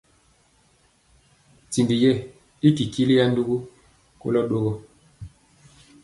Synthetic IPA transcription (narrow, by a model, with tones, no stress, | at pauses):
ti˨ndi˨jɛ˦˨ | i˦ki˨ki˦li˦ja˦ndu˦ɡu˦ | ko̰˦lɔ˦ɗo˦ɣɔ˦